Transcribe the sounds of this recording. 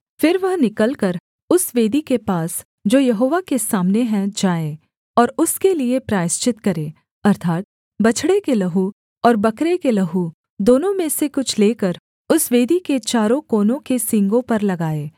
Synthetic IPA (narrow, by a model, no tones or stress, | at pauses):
fɪɾʋɐɦnɪkəlkɐɾ | ʊsʋeːd̪ikepaːs | d͡ʒoːjɐɦoːʋakesaːmneɦɛ̃d͡ʒaːeː | ɔːɾʊskeliepɾaːɪst͡ʃɪt̪kɐɾeː | ɐɾt̪ʰaːt̪̚ | bɐt͡ʃʰɽekelɐɦu | ɔːɾbɐkɾekelɐɦu | d̪oːnõmẽsekʊt͡ʃʰleːkəɾ | ʊsʋeːd̪iket͡ʃaːɾõkoːnõkesɪ̃ŋɡõpɐɾlɐɡaːeː